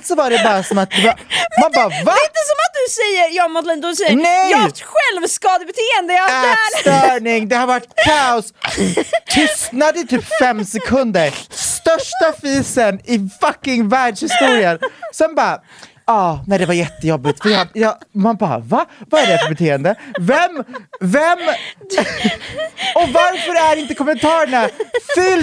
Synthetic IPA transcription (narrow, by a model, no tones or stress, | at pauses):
lt̪sɔvaɖɛbɑːɾasɔmat̪̚d̪ɛvamanbɑːvaɪnt̪əsɔmat̪̚d̪ɵsɛjːəɾjɑmɔt̪lɛnd̪ɔsɛnɛjt̪ɧɛlvskɑːd̪əbɛt̪ʰeːɛnd̪əæt̪œɳɪŋd̪ɛhaɾvaʈkʰaʊs | t̪ʰʏsnad̪ət̪ɪlfɛmsɛkʰɵnd̪əɾst̪œʂʈafiːsənɪfakːɪŋvæːɖʂhɪst̪uːɾɪənsɔmbɑː | ɑːnɛjd̪ɛvaɾjɛt̪ːəjɔbːɪt̪fəɾjajɑmanbɑ̰ːvavaæɖɛfœɾbɛt̪ʰeːɛnd̪əvɛmvɛm | ɔvaɾfœɾæɾɪnt̪əkʰɔmɛnt̪ʰɑːɾəɳafʏl